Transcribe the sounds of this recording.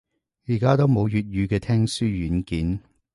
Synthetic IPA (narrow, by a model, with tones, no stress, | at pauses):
jiː˨˩kaː˥t̪o˥wmo˨˧wjyː˨t̚jyː˨˧kɛː˧t̪ʰɛː˥ŋsyː˥jyː˨˥nkiː˨˥n